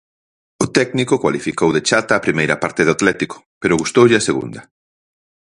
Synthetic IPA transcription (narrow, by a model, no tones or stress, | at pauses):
ʊt̪ɛknikʊkwalifikowðet͡ʃat̪aːpɾimejɾɐpaɾt̪eðʊat̪lɛt̪ikʊ̥peɾʊɣust̪owʎɪɐseɣṵnd̪ɐ